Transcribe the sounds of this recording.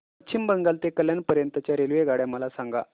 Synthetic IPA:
ətt͡ɕʰimbəŋɡalt̪ekəljanpəɾjənt̪ət͡ɕjaɾelʋeɡaɽjaməlasaŋɡa̰

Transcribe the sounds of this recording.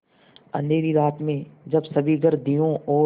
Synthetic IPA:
ɐ̰neːɾiɾaːt̪mẽd͡ʒɐbsɐbʱiɡəɾd̪ijõʔɔː

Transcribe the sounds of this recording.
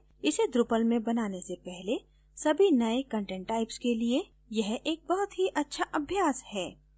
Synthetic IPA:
ɪsed̪ɾʊpəlmẽbɐnaːnesepɛɦle | sɐbʱinɐekɐ̃ɳʈɛ̃ːɳʈːaːɪpskelie | jɐɦʔeːk̚bɐɦʊt̪ɦiʔɐtːʃʰaʔɐbʱjaːshɛː

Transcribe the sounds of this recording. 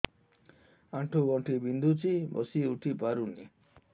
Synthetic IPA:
aʈʰuɡɔɳʈʰibind̪ʱut͡ʃibɔ̰siuʈʰipaɾuni

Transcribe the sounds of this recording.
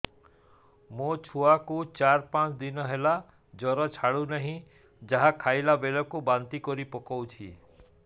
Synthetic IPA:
mot͡ʃʰuakut͡ʃaɾpãt͡ʃd̪inɔɦela | d͡ʒɔɾɔt͡ʃʰaɭunaɦĩ | d͡ʒaɦakʰajlabelɔkubant̪ikɔɾipɔkɔwt͡ʃʰḭ

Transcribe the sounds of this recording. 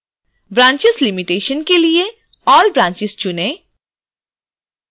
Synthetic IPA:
bɾãːɲt͡ʃɪzlɪmɪʈeːʃənkelie | ɔːlbɾãːɲt͡ʃɪzt͡ʃʊnẽ

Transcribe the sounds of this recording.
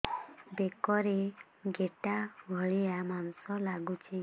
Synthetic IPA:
bekɔɾe | ɡeʈaɡʱɔɭiamanɔsɔlaɡut͡ʃʰi

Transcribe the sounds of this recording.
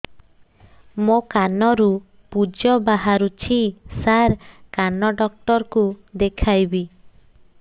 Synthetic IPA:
mokanɔɾu | pud͡ʒɔbaɦaɾut͡ʃʰisaɾkanɔɖɔk̚ʈɔɾɔkud̪ekʰajbi

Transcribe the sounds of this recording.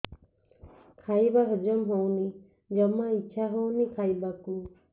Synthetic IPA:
kʰaibaɦəd͡ʒəmɦowni | d͡ʒəmãit͡ʃʰaɦownikʰaibaku

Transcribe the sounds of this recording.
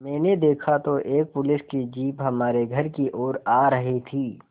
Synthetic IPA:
mɛ̃ːned̪eːkʰat̪oʔeːk̚pʊlɪskid͡ʒiːpɦɐmaːɾeɡʱɐɾkiʔoːɾaːɾɐɦit̪ʰiː

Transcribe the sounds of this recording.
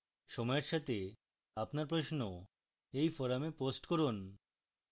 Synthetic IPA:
ʃɔmɔjeɾʃat̪ʰe | apnaɾpɾoʃno | ejfoɾameposʈkoɾun

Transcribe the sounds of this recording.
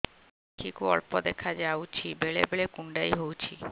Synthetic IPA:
ʈʰikuɔ̰ɭpod̪ɛkʰad͡ʑawt͡ɕʰibeɭebeɭekuɳɖajɦowt͡ɕʰi

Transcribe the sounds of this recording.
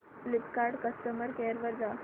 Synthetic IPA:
flipkaɾɖkəst̪əməɾkeɾʋəɾd̪a

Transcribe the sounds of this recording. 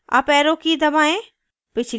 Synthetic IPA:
ɐ̰pɛːɾõkid̪ɐbaːẽ | pɪt͡ʃʰl

